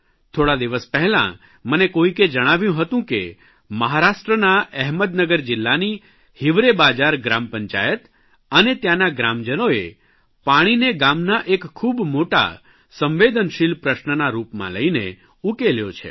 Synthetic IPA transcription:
t̪ʰoɽad̪iʋəspəɦɛlã̰ | mənekoiked͡ʒəɽ̃aʋjũɦət̪ũkḛ | məɦaɾaʃʈɾənaɛɦməd̪nəɡəɾd͡ʒɪlːani | hiʋɾebad͡ʒaɾɡɾampəɲt͡ʃajət̪ | ənet̪janaɡɾamd͡ʒənoe | paɽ̃ineɡamnaʔekʰːubmoʈa̰ | sə̃mʋed̪ənʃilpɾəʃnənaɾupmã̰lə̰inḛ | ukeljot͡ʃʰḛ

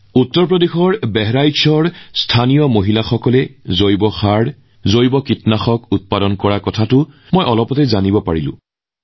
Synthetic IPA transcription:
utːɔɹpɹodexɔɹbɛɦɹajsɔɹstʰanijɔmoɦilaxɔkɔlɛzojbɔxaɹ | zojbɔkitnaxɔkut̚padɔnkɔɹakɔtʰatʊ | mojʔɔlɔpɔtɛzanibɔpaɹilʊ̰̃

